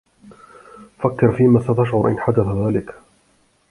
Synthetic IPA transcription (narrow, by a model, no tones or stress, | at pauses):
fakːɪɾfiːmaːsat̪aʃʕʊɾʔɪnħad̪aθaðaːlɪk